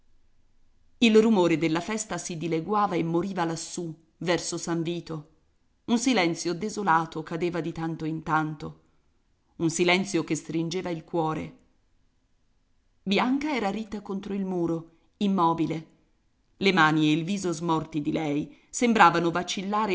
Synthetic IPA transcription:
ilrumoːɾed̪elːafɛst̪asid̪ileɡwaːvaemːoɾiːvalasːu | vɛrsosaɱviːt̪o | unsilɛnt̪sjod̪ezolaːt̪okad̪eːvad̪it̪ant̪oint̪ant̪o | unsilɛnt̪sjokest̪ɾind͡ʒeːvailkwɔːɾḛ | bjaŋkaɛːɾaɾit̪ːakont̪ɾoilmuːɾo | imːɔːbile | lemaːnieilviːzozmɔrt̪id̪ilɛjsembɾaːvanovat͡ʃilːaːɾe

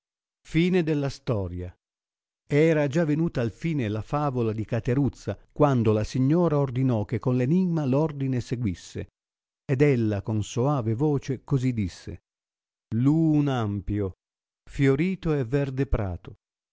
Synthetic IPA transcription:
fiːned̪ɛlːast̪ɔːɾja | ɛːɾad͡ʒavenuːt̪aːlfiːnelafaːvolad̪ikat̪eɾut̪sːakwand̪olasiɲːɔːɾaord̪inɔk̟ːekːonleniɡmalɔrd̪ineseɡwisːḛ | ɛd̪ɛlːakonsoaːvevɔːt͡ʃekozid̪ːisːḛ | luːnampjo | fjoɾiːt̪oɛvːɛrd̪epɾa̰ːt̪o

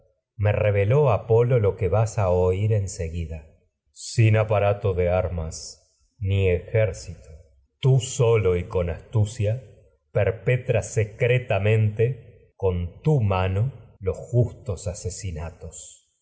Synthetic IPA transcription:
me̞reβeloapo̞lo̞lo̞keβasaoiɾe̞nse̞ɣiðaː | inapaɾat̪o̞ðeaɾmas | niexeɾsit̪o̥ | t̪usolo̞iko̞nast̪usja | peɾpet̪ɾase̞kɾet̪amẽ̞nt̪e | ko̞nt̪umano̞lo̞sxust̪o̞sase̞sinat̪o̞s

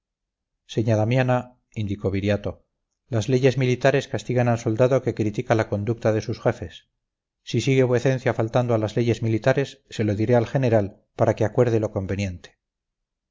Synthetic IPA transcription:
se̞ɲaðamjana | ind̪iko̞βiɾjat̪o̞ | lazle̞ʝe̞zmilit̪aɾe̞skast̪iɣanalso̞ld̪aðo̞ke̞kɾit̪ikalako̞nd̪uk̚t̪aðe̞susxwe̞fesː | isiɣe̞βwe̞θẽ̞n̟θjafalt̪and̪oalazle̞ʝe̞zmilit̪aɾe̞sːe̞lo̞ðiɾealxe̞ne̞ɾal | paɾakeakwe̞ɾðelo̞ko̞mbe̞njẽ̞nt̪e̥

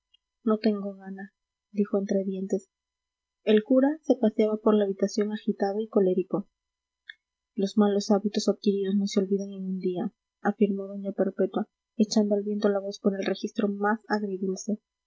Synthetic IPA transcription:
no̞t̪e̞ŋɡo̞ɣana | d̪ixo̞ent̪ɾeðje̞nt̪e̞s | e̞lkuɾase̞pasjaβapo̞ɾlaːβit̪asjo̞ŋaxit̪aðoiko̞le̞ɾiko̞ | lo̞zmalo̞saβit̪o̞saðkiɾiðo̞sno̞seo̞lβiðaŋeŋund̪ia | afiɾmo̞ðoɲape̞ɾpe̞t̪wa | e̞t͡ʃand̪o̞alβje̞nt̪olaβo̞spo̞ɾe̞lre̞xist̪ɾo̞masaɣɾiðilse̞

